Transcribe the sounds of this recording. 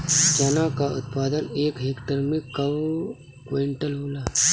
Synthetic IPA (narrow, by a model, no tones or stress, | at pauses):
t͡ʃanakaʊ̰t̪paːd̪əneːkɦeːkʈəɾmẽkɐw | kweɳʈəlɦoːlaː